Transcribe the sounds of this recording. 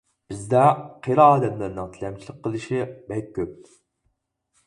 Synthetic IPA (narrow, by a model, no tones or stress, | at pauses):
b̥ɪzd̪ɛqʰeɾɑːd̪ɛt̪̚læɾnɨŋt̪ʰilɛmt͡ʃʰilˠəq̚qʰːəlˠɨʃibɛk̚ʲʰːøp̚